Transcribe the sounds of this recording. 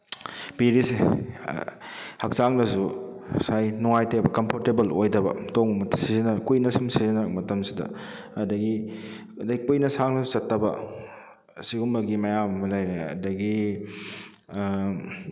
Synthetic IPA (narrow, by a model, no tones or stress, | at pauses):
piɾise | hɐk̚saŋdɐsusajnuŋajtebɐkɐmpʰoɾtebɐlojdɐbɐ̰toŋɐmɐtsizinɐkujnɐsumsizinɐmɐtɐmsidɐ̰ | ɐdɐɡi | ɐdɐɡikujnɐsaŋnɐsu̥sɐtːɐbɐ̰ | siɡumbɐɡimɐjamɐmɐlajɾeɐ̰dɐɡi